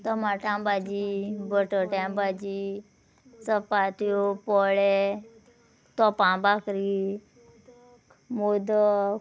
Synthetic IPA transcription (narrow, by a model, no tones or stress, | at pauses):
t̪əmaʈãbad͡ʑibəʈəʈãbad͡ʑi | səpat̪jopɔɭe | t̪ɔpãbakɾi | mod̪ə